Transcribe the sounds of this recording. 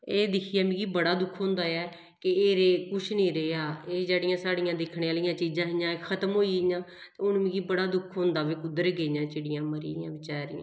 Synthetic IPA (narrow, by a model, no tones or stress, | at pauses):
eːd̪ɪkʰɪjaːmĩɡiːbəɽaːd̪ʊkʰɦõːnd̪aːɛː | kɪeːɾeːkʊʃʰnĩːɾeaːeːd͡ʒaːɽɪjãːsaːɽɪjãːd̪ɪkʰneːaːlijãːt͡ʃiːd͡ʒãːɦɪjãːekʰət̪əmɦoːiːɪjãː | t̪eːʊnːmĩːɡiːbəɽaːd̪ʊkʰɦõːnd̪aːʋeːkʊd̪əɾɡeːjãːt͡ʃeɽɪjãːməɾḭːɪjãːʋɪt͡ʃaːɾɪːã